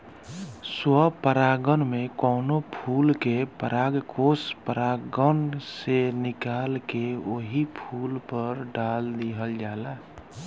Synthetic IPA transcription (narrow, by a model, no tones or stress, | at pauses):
swəpəɾaːɡənmẽkɔːnopʰuːlkepəɾaːɡkoːspəɾaɡənsenɪkaːlkeoɦipʰuːlpəɾɖaːld̪iɦəld͡ʒaːla